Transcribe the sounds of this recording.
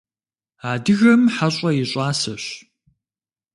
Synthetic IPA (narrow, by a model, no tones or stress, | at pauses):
aːdɨɣɐmħaɕʼɐjɪɕʼaːsɐɕ